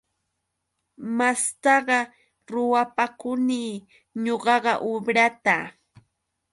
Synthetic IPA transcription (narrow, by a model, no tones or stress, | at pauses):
mast̪ɑɢɑ | ɾʊwapakʊniː | ɲoɢɑɢɑʔobɾat̪a